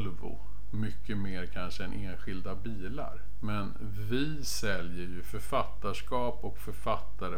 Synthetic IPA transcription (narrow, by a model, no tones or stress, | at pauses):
lvʊ̰ | mʏkʰːəmeːɾkʰanʂəɛnʔeːnɧɪld̪abiːla̰ɾ | mɛn | vɪ | sɛljəɾjɵfœɾfat̪ːaʂkɑːpɔkfœɾfat̪ːaɾə